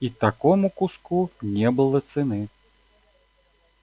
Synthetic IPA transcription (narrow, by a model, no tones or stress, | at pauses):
it̪akɔmukuskunʲɛbɨlˠɐt̪sɨnɨ